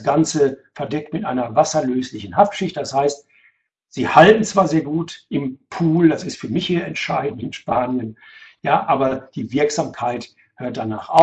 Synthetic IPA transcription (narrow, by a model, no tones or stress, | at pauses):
sɡ̥ant͡səfɛɐdɛk̚tmɪtʔaɪnɐvasɐløːslɪçn̩haftʃɪçt̚d̥ashaɪst | z̥iːhaltn̩t͡sv̥aːɐzeːɐɡuːtʔɪmpʰuːldasɪstfyːɐmɪçhiːɐɛntʃaɪdn̩tɪnʃpaːnjənjaːʔaːbɐd̥iːvɪɐkz̥aːmkʰaɪt | høːɐt̚d̥ana̰ːχʔa̰